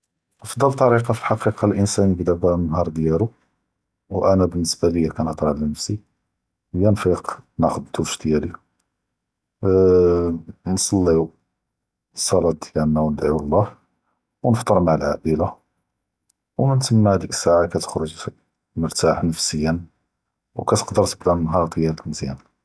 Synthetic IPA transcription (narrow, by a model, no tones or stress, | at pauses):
əfd̪ˤːəlt̪ˤːɑɾiqɑfilħɑqiqɑlʔənsænəbd̪æbænɦɑɾˤd̪jælu | wʔænæbənːəsbæləjːækænət̪ˤɾˤɑlnəfsi | əjːænfiqnɑxəd̪t̪ʰufʃd̪jæli | nsˤɑlːiu | sˤɑlɑt̪̚d̪jænːæwnəd̪ʕiwəlˤːɑh | wnəft̪ˤəɾˤmaʕəlʕaʔəla | wmənt̪əmːhæd̪iksaʕakæt̪ə̥xɾʊʒ | məɾt̪aħnəfsəjːən | wkæt̪ə̥qd̪əɾˤt̪əbd̪ænɦɑɾˤd̪jælt̪nəzjæ̰n